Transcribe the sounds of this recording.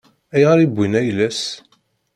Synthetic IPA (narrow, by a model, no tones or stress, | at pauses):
æjʁɑɾibʷːinæjlæs